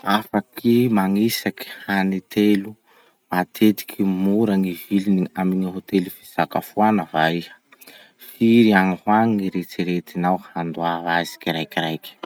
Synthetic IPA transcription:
afakimaŋisaki̥hanit̪elu | mat̪ʰed̪i̥kʰimuɾəŋiviliniaminiɦot̪elufi̥saka̰fuanəvaihə̥ | fiɾianihwaŋiɾet͡siɾet̪inawhand̪uaazi̥kiɾajkiɾajkʲi̥

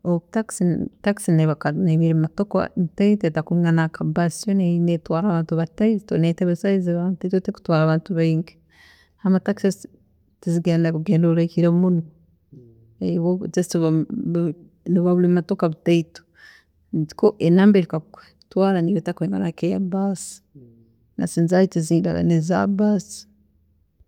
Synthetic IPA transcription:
otaksitaksineβakaneβiɾematoka̰βitaitetakuiŋɡanakabasjoneinetwaːɾaβaːntuβataitoneteβesaiziβataitoteku̥twaɾaβaːntuβaiŋɡe̥ | amataksis | tiziɡeːndakuɡeːndolekiɾemuno | ewozestiβa | niβaβulimatokaβutaito̥ | zi̥koʔenaːmbeɾikakwe | twaːɾaniβotakweːŋɡanakejabasi̥ | na̰siːnzajitiziːda̰la̰neza̰basi̥

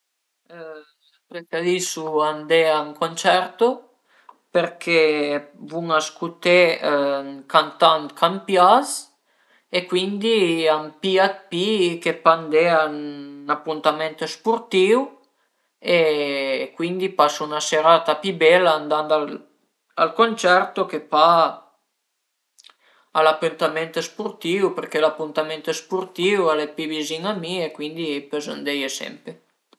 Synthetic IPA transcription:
pɾek̪ad̪isuand̪eaŋkont͡ʃɛɾt̪o | peɾkʰevuŋaskut̪e | kant̪ant̪kʰampjas | ekwind̪iampiat̪̚pikepand̪eanapːunt̪amɛnt̪ospuɾt̪iw | e | kwind̪ipasounaseɾat̪apibɛlːaand̪and̪al | a̰lkonʲt͡ʃɛɾt̪okepa | alapːunt̪amɛnt̪espurt̪iwpeɾkelapːunt̪amɛnt̪espurt̪iwalepibiziŋamiekwind̪ipezand̪ɛjesɛ̰mpe

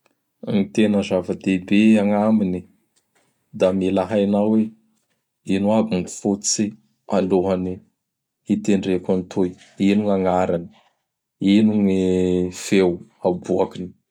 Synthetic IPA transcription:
nit̪enəzavəd̪ebeaŋamini | d̪amilaɦajnawe | inuabuŋku̥fut͡si | aloɦani | it̪eɳɖ͡ʐekant̪ʰuj | iniŋaŋaɾani̥ | inuŋifewabuakini̥

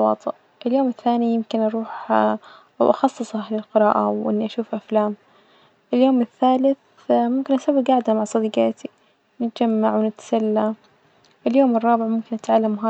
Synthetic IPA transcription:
wɑ̰ːt̪ˤɨʔ | ʔɪljoːmɪθːaːnijɪmkɪnʔɑɾˤuːħ | awʔɑxɑsˤːɨsˤɑɦlɪlqɪɾɑ̰ːʔa̰wʔɪ̰nːiʔaʃuːfʔaflaːm | ʔɪljoːmɪθːaːlɪθ | mʊmkɪnʔasawːɪɡaʕd̪amaʕsˤɑd̪iːɡɑːt̪ʰi | nɪt̪d͡ʒamːaʕwɪnɪt̪salːa | ʔɪljoːmɨrˤːɑːbɪʕmʊmkɪnʔat̪ʕalːamɦaː

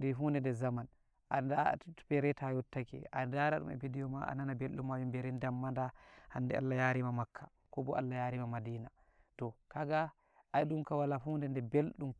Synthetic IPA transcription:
difundɛndɛzaman | ʔandapɛɾɛtajɔtːakɛ̰ʔadaɾaɗṵmɛ̰bidɛjɔmaʔa̰nanabelɗumːawimbɛɾɛndamːandahandɛ̰ʔa̰lːajaɾimamakʰːa̰ | kɔbɔʔalːajaɾimamadiːna | tɔkaɡa | ʔajɗumkawalafuːndɛndɛbelɗum

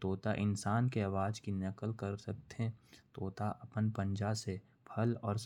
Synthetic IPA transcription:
t̪oːt̪aʔɪnsaːnkeɐʋaːd͡ʒkinɐkəlkɐɾsɐk̚t̪eɦɛ̃t̪oːt̪aʔɐpənpə̃nd͡ʒase | bʰʱɐlɔːɾs

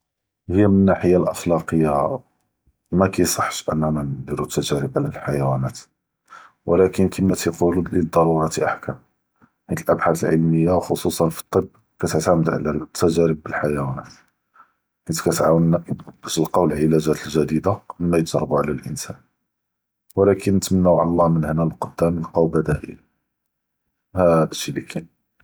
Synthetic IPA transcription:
həjːæmənːaħəjːalʔɑxlɑqəjːa | mækæjsˤɑħːʃʔə̰nːæmænəd̪iɾut̪ːæʒæɾəbʕlælħajæwænæt̪ | wʔlækənkʰəmæt̪iqulləd̪ˤːɑɾˤuɾˤɑt̪iʔaħkæm | hint̪əlʔæbħat̪əlʕəlməjːawxosˤusˤɑnfi̥t̪ˤːəb | kæt̪əʕt̪æməd̪ʕa̰læt̪ʰːæʒæɾəbːəlħajæwænæt̪ | kənt̪kæt̪ʕawənːb̥æʃəlqɑwəlʕəlæʒæt̪əlʒæd̪id̪aʔəmːæjʒɾˤɑbuʕlælʔənsæ̰n | wəlækʰənːət̪mənːæwʕa̰llˤːɑmənhnælqod̪ːæməlqɑwbæd̪æʔə̰l | hæd̪əʃilikʰæn

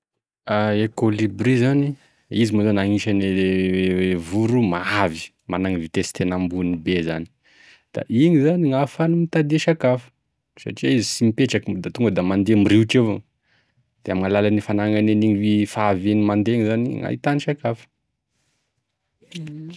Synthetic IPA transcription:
aekolibrizani | izimozonaŋiʃanewewevuɾumaavi̥ | manaŋivit̪esi̥t̪enambunibezani̥ | d̪̥a̰ʔiŋizaniŋafanumit̪ad̪eʃakafə̥ | sa̰ʈ͡ʂiaizisimipeʈ͡ʂakid̪at̪uŋɡəd̪amand̪emiɾiʈ͡ʂevo | d̪̥eamaŋalalanifanaŋaneniɲivifaːvenimand̪eɲizaniŋa̰it̪aniʃakafə̥

